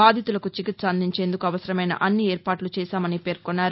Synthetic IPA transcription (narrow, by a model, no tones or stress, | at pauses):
aːd̪ʱit̪ulɐkut͡ʃikit̪sɐɐnd̪ʱiɲt͡ʃeːnd̪ukuɐʋɐsɐɾɐmɐjnɐ̰ʔɐnːieːɾpaːʈlut͡ʃɛːʃaːmɐnipe̞ːɾkonːaːɾ